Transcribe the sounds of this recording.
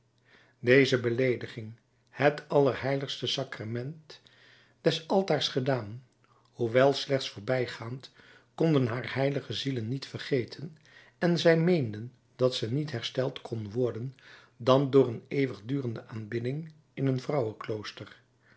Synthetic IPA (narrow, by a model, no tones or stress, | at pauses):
dejzəbəlejdəχɪŋ | hətɑlˠəɹɦɛjləχstəsɑkramɛnt | d̥ɛsɑlˠtaːɹsχədaːn | huʋɛlˠslɛχtsfʊːɹbɛjχaːnt | kɔndənɦaːɹhɛjləχəzilənːitfərχejtʰən | ɛnzɛjmejndən | dɑtsɛnitɦɛɹstɛlˠtkʰɔnʋɔɹdən | dɑndʊːɹənejʋəχdyːrəndəʔaːnbɪdɪŋ | ɪnənvrɑwəklowstəɹ